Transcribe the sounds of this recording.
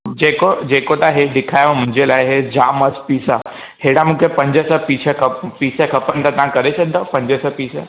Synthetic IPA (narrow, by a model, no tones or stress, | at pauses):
d͡ʑekod͡ʑekot̪aɦeɖ̪ɪkʰajom̤ʊ̃ɲd͡ʑelajɦed͡ʒaməspiːsa | heɽamũkʰepə̃ɲd͡ʒəsəpiːt͡ʃʰəkəpiːsekʰəpənt̪at̪ãkəɾesəɡ̚d̪opə̃ɲd͡ʒəsəpiːsə